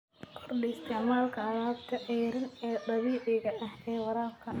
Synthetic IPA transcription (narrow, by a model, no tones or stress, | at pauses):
kʰɔrdɪɪst̪ʰɛʕmaːlkʰɐɐɾaːbt̪ʰɐʔɛɾɪnɛːd̪ɐβiːʕɪɣɐʔɐhɛːwɐɾaːfkʰɐ